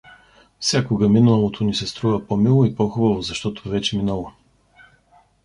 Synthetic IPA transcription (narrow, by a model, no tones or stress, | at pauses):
fsʲjakoɡɐminulˠɐlˠot̪ʰonisɛst̪ɾuvɐpomilˠoipɔxʊbɐvozɐʃt̪ɔt̪o̥vɛt͡ʃɛminəlˠo